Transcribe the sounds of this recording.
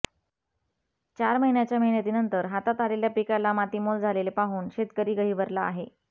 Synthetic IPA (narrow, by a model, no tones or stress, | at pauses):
t͡ɕaɾməɦinjat͡ɕjaməɦinjat̪iːnənt̪əɾɦat̪at̪aleljapikalamat̪iːmold͡zʱalelepaɦuːnɕet̪kəɾiːɡəɦiːʋəɾlaːɦe